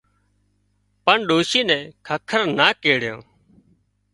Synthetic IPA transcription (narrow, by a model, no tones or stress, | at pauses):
pəɳɗoːʃiːnɛ̃ːkʰəkʰəɾnaːkeːɽ̤jõ̰ː